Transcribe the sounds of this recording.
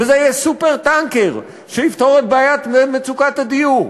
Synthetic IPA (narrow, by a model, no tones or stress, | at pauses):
vezejɛsupeʁt̪aŋkeʁ | ʃeift̪oʁet̪̚bajat̪memet͡sukat̪ad̪ijuʁ